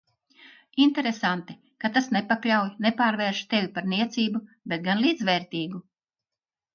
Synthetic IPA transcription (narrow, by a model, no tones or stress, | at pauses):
int̪eɾesant̪i | kat̪asnepaklʲawjnepaːɾvɛːɾʃt̪evʲpaɾniɛt̪siːbu | bet̪̚ɡanlˠiːd̪zvɛːɾt̪iːɡu